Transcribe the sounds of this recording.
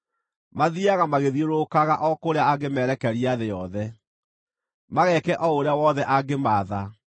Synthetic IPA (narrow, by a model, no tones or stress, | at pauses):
maðiaɣamaɣeðioɾokaɣaʔɔkoɾeaaɡemɛːɾɛkɛɾiaðejɔðɛ | maɣɛkɛʔɔoɾeawɔðɛʔaɡemaːða